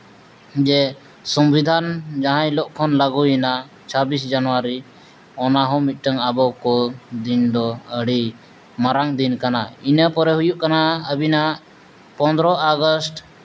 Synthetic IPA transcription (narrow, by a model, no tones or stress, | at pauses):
d͡ʒɛ | sɔmbid̪ʱand͡ʒaɦãjlɔʔkʰɔnlaɡujɛna | t͡ʃʰabisd͡ʒanɔwaɾi | ɔnaɦɔ̃mit̪̚ˀʈəŋabɔkɔd̪ind̪ɔəɽi | maɾaŋd̪inkanainəpɔɾɛɦujuʔkanaəbinaʔ | pɔ̃nd̪ɾɔʔaɡɔsʈ